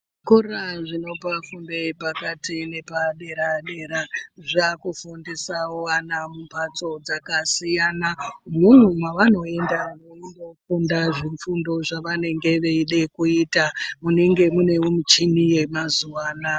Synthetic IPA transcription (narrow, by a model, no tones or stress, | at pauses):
koraʐino̞pafumbe̞pakatine̞paɗe̞ɾaɗe̞ɾaʐakufondesawoanamumpʰat͡so̞d͡zakasijanamun̤umwaʋano̞e̞ndanoindokundaʐiɱfundo̞ʐaʋane̞ŋɡe̞ʋe̞iɗe̞kuitamune̞ŋɡe̞mune̞womut͡ʃinije̞mazuwaːna